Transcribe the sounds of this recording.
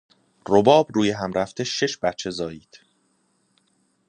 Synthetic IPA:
robɒːbruːje̞ɦæmɾæft̪ʰeʃe̞ʃbæt̪t͡ʃʰːe̞zɒːjiːd̪̥

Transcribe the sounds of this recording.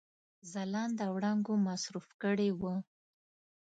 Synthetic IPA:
zalɑnd̪əwɽaŋɡomasɾufkəɽewə

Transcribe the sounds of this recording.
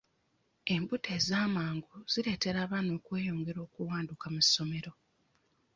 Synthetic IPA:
e̞mbutʰe̞ːzaːmaːŋɡuz̥iɾe̞ːte̞ɾaːβano̞ːkwe̞ːjo̞ːŋɡe̞ɾo̞ːkuwaːndukamuso̞me̞ɾo̞

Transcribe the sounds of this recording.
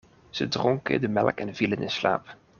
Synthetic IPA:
z̥ədrɔŋkə̰dəmɛlˠkɛnv̥ilənɪnsla̰ːp

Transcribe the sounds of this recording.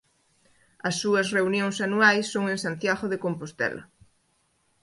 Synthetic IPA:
ɐsːuɐsreunjoŋsanuajsːoŋẽŋsant̪jaɣoðekompost̪ɛ̰lʔɐ̰

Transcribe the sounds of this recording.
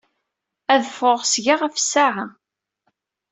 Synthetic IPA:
æðfoʁsʝaʁafə̥sːaʕa

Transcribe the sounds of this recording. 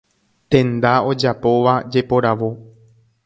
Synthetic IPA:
t̪ẽ̞nd̪ao̞d͡ʒapo̞ʋad͡ʒe̞po̞ɾaʋo̞

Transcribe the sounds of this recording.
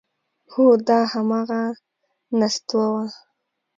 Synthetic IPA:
hod̪ɑhamɑɣa | nast̪wawa

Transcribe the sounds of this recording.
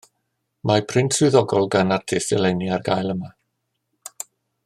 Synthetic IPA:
mapʰrɪntʰsʊðɔɡɔlˠɡanatʰɪsɛlˠɛniarɡajlˠəma

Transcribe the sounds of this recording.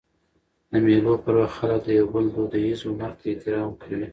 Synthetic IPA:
d̪əmelopəɾwaxxalək̚d̪əjawbəld̪od̪ajizomaɾt̪ʰaet̪ɪɾɑmkʰawi

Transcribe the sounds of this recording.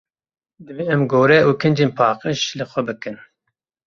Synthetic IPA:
d̪ɨbiːɛmɡoːɾɛʔuːkʰɨnd͡ʒeːnpʰɑːqəʃlɨxʷɛbɨkɨn

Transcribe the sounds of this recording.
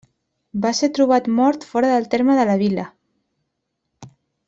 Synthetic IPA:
baseɾt̪ɾuβ̞at̪mɔɾt̪fɔɾəðəlˠt̪eɾməðələβ̞ilə

